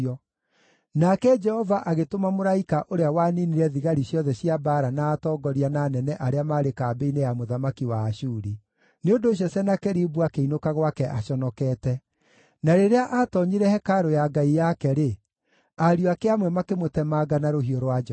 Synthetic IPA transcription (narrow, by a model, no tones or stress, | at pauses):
ɔ | nakɛd͡ʒɛhɔvaʔaɣetomamoɾaikaʔoɾeawaniniɾɛðiɣaɾiɕjɔðɛɕiabaːɾanaːtɔːɡɔɾiananɛnɛʔaɾeamaːɾekaːbeinejamoðamakiwaːɕuːɾi | neondoːɕ̬jɔsɛnakɛɾibuakeinokaɣwakɛʔaɕɔnɔkɛːtɛ | naɾeɾeaʔatɔɲiɾɛhɛkaɾojaɡaijakɛɾe | aɾjoakeamwɛmakemotɛmaɡanaɾoɦioɾwad͡ʒ